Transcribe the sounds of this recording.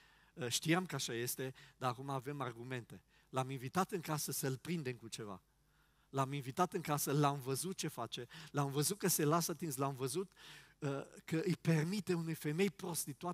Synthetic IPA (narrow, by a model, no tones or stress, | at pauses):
əʃt̪ijamkəaʃaje̞st̪e̞d̪aakumaːve̞marɡume̞nt̪e̞ | laminvit̪at̪ɨŋkasəsəlpɾind̪e̞mkut͡ʃe̞va̰ | laminvit̪at̪ɨŋkasəlamvəzut̪̚t͡ʃe̞fat͡ʃe̞lamvəzut̪̚kəse̞lasat̪inslamvəzut̪əkəʔɨjpe̞rmit̪e̞unujfe̞me̞jpɾo̞st̪it̪ua